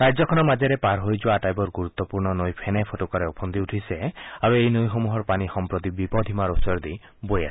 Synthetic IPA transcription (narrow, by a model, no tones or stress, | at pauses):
ɾajd͡ʒɔkʰɔnɔmad͡ʒeɾepaɾɦojd͡ʒuaːʈajbɔɾɡuɾut̪ːɔpuɾnɔnojpʰenapʰotokɔɾeɔpʰɔnd̪iuʈʰiseaɾuejnojɦomuɦɔɾpanixɔmpɾɔt̪ibipɔd̪ʱimaɾosɔɾd̪i | boja̰s